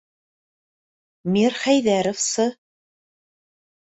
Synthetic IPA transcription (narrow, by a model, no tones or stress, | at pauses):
miɾχæjðæɾŏfsɤ